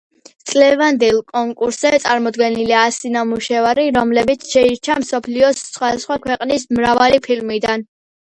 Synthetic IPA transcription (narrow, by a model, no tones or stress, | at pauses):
t̪sʼlɛvand̪ɛlˠkʼɔŋkʼuɾszɛt̪sʼaɾmɔd̪ɡɛniliasinamuʃɛvaɾiɾɔmlɛbit̪sʰʃɛiɾt͡ʃʰamsɔpʰliɔsːχwad̪asχwakʰwɛqʼnismɾavalipʰilmid̪an